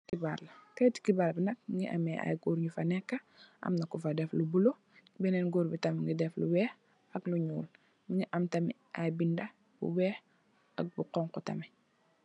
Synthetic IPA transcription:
kibaːrlɐkɛti̥kibaːɾlbinɐk̚ŋɡiʔɐ̰mɛʔa̰jɡuːɾɲufɐnɛkːɐ | ʔɐ̰mnɐkufɐdɛflubulo | bɛnɛːnɡoːɾbitɐmŋɡidɛfluwɛːx | ɐkluɲuːl | miɲiʔɐmtɐmḭ | ʔajbindɐ | bṵwɛːx | ɐ̰k̚buqɔŋkɔtɐ̰mɛ

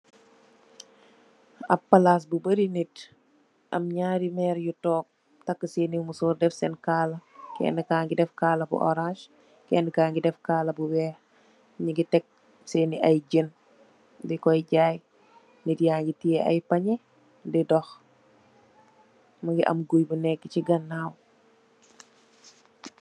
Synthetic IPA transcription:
ɐpːɐlas̬bubəɾinit | ʔɐ̰mɲaːɾimɛːɾjutɔːk̚ | tɐkːəseːnimusuːrdɛfsɛnkaːlɐkɛ̰ːnəkaːŋɡidɛfkaːlɐbṵʔɔ̰ɾãʃ | kɛːnəkaːŋɡidɛfkaːlɐbuwɛːh | ɲiɡitɛk̚ | seːniʔɐjɟən | dɛkɔjɟaːj | nidjaŋɡitijɛɐ̰jpɐɲɛ | dɛdɔx | mɐɡiʔɐ̰mɡujbənɛkːəciɡɐnːaːw

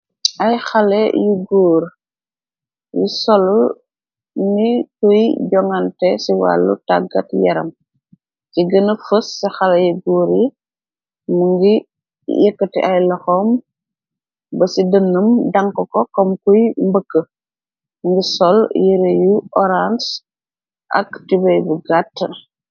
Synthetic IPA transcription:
ɐjxalḛjuɡuːɾ | jisɔl | nikujɟɔŋantɛsiwa̰lːṵtaɡɐtjɐ̰ɾɐ̰m | t͡ʃiɡənəfəsːixalejuɡuːɾi | məŋɡi | jəkːətḭʔajlɐxɔm | bɐsidənːəmdaŋkɔkɔkɔmkujmbəkːə | ŋɡisɔljiɾejuʔɔɾans | ʔɐ̰ktibɐjbuɡatː

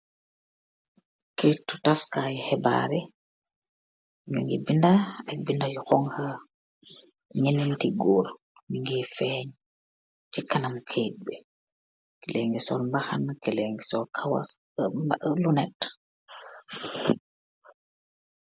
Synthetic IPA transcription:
ketːutaskajhɛba̰ɾɛ | ɲuŋɡɛbindaabindajɔkɔŋha | ɲenintiɡɔːɾ | muŋɡɛfɛɲ | t͡ʃikːanamkʰet̚bɛ | kɛlɛŋɡɛsɔɾmbaxankɛlɛŋɡɛsɔkʰawa̰ | lunɛt

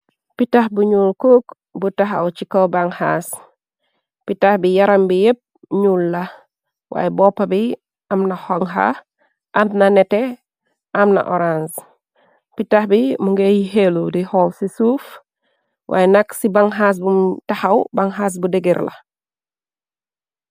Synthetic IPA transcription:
pitahbuɲuːlkoːk | butaxa̰wt͡ʃikɐwbaŋhas | pitahbijaɾambijep̚ | ɲuːlːɐ | wʔa̰ːjɛbɔpːabi | ɐmnɐhɔŋɦa̰ | ʔamnɐnɛtɛ | ʔamnɐ̰ʔɔɾans | pitahbimuŋɡejiheludihɔːmsisuːf | wʔa̰ːjɛnɐksibaŋɦas̬bumtahawbaŋɦaːs̬budeɡiɾlɐ̰

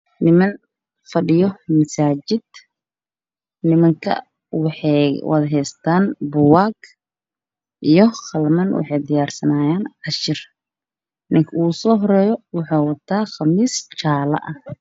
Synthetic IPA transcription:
nɪmɐn | fɐɖɪjɔmɐsaːt͡ʃɪd̪̥̚ | nɪmɐŋkʰɐ̰ | wɑħwʔɑ̰ːd̪ɦɛjst̪ʰaːnbʊwaːɡ | ʔijɔχɐlmɐnwɑ̰ħɑjd̪ɪjaːrsɐnaːjaːnʕɑʃɪr | nɪŋkʰuːsɔːɦɔɾɛːjɔwɑħɑːwɐt̪ʰaːχɑmiːst͡ʃaːlɐ̰ʔɐ

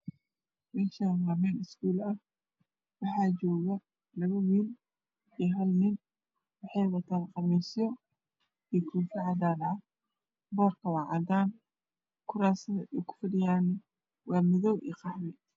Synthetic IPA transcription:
mɛːʃanwaːmɛːnɪskuːlɐh | wɑħɑːt͡ʃɔːɣɐ | lɐβɐwiːl | iːɦɐlnɪn | wɑħɑjwɐt̪ʰanqɑmɛsjɔ | iːkʰuːfɐʕɑdaːlɐʕɐ | bɔːrkʰɐwɑːʕɑd̪aːn | kʰʊɾaːsɐðɐʔɛjkʰʊ̥fɪdɪjaːn | wɑːmɪðɔwʔḭːqɑħmɛ

